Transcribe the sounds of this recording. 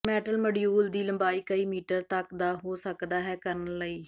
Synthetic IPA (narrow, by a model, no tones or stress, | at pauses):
mɛːʈəlməɽɪjuːld̪iːləmbaːiːkəiːmiːʈəɾt̪əkd̪aːɦoːsəkd̪aːɦɛːkəɾənləiː